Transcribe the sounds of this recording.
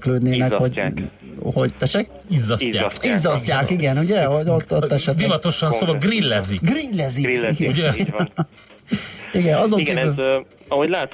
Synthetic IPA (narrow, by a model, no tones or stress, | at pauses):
kløːd̪neːnɛkho̞ɟ | ho̞ɟt̪ɛʃɛk̚ | izːɒsa̰ːkizːɒscːaːkiɡɛnuɟɛoot̪ːot̪ːɛʃɛtbivɒt̪o̞ʃɒnsoːɒɡrilːɛziɡrilːɛziɡɛ | iɡɛnɒzo̞ŋɡkeːl | ɒhoɟlaːt̪